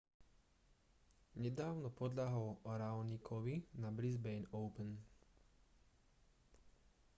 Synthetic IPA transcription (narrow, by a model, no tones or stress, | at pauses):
ɲɛd̪aːʊnɔpɔd̪ʎaɦɔlɾaɔnikʰɔʋinabɾizbɛjnɔʊpɛn